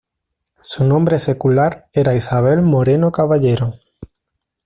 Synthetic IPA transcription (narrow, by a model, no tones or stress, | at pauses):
sunõmbɾesekulaɾeɾaisaβ̞elmoɾenokaβaʎeɾo